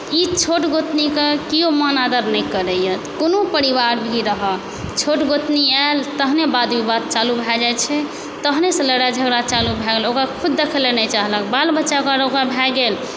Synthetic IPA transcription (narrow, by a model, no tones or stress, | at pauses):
it͡ʃʰoʈɡot̪nikekijomənad̪əɾnɛjkəɾəjət̪konopəɾiʋaɾbʱiɾəɦə | t͡ʃʰoʈɡot̪nialt̪əɦnebad̪bibad̪̚t͡ʃalubʱɛd͡ʒat͡ʃʰɛ | t̪əɦnesẽləɾad͡ʒʱəɡɾat͡ʃalubʱɛɡelokɾakʰud̪ːekʰlenəjt͡ʃaɦləkbalbətːʃaokaɾokɾabʱɛɡel